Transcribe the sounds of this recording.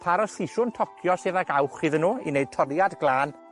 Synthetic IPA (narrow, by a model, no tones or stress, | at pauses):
pʰaɾɔsiʃʊntʰɔkʰjɔseːðaɡawχɨðənuːḭnejd̚tʰɔrjadɡlˠaːn